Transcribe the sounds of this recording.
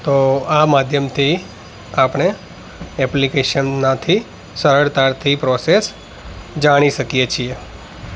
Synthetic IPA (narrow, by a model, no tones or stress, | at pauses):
t̪oamad̪ʱjəmt̪ʰi | apɳ̃e | ɛplikeʃənːat̪ʰi | səɾəɾt̪aɾt̪ʰipɾɔses | d͡ʒaɽ̃iʃəkijet͡ʃʰie